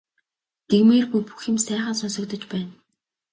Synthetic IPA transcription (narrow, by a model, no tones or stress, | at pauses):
t̪eɣmeːrpujpu̥xɪ̆msæːχə̆nsʊnsɞ̆k̚t̪ə̆t͡ɕpæːn